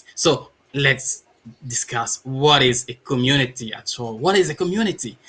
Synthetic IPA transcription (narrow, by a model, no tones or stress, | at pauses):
so | lɛts | dɪskʰaswɔɾɪzɨkʰɔmjunɪtiæ̰tʰɔlˠwɔɾɪzɨkɔmjuñɪti